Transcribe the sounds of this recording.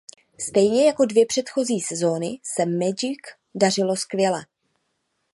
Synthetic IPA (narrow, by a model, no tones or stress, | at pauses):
st̪ɛjɲɛjako̞dvjɛpr̝̥ɛt̪xo̞ziːsɛzo̞nɪsɛmɛd͡ʒɪk | dar̝ɪlo̞skvjɛlɛ